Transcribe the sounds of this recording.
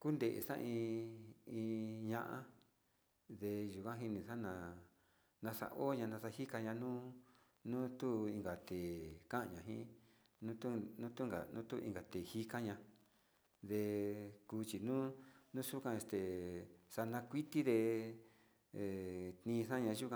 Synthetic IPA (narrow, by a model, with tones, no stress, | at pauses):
ku˦nd̪e˨ʔḛ˨ʂã̰˦ʔĩ˧ | ĩ˧ɲã˧ʔã˦ | ðe˧ʒu˨kʷã˦ɦi˧nĩ˧ʂa˦nã˧ | nã˧ʂa̰˧ʔo˦ɲã˧nã˧ʂa˧hi˦ka˧ɲã˧nũ˦ | nũ˦t̪u˦ĩ˧ŋɡa˨t̪e˨kã˦ʔa˧ɲã˨ɦĩ˦ | nũ˦t̪u˦nũ˦t̪u˦ŋɡa̰˨nũ˦t̪u˦ʔĩ˧ŋɡa˨t̪e˨hi˧ka˦ɲã˧ | ðe˧kuː˧t͡ʃi˨nũ˦nũ˦ʂu˦kã˧e˧st̪e˨ʂa˧nã˧kʷi˦t̪i˦ðe˧˨ | t̪nĩː˧ʂã˦ɲã˧ʒu˦kã˧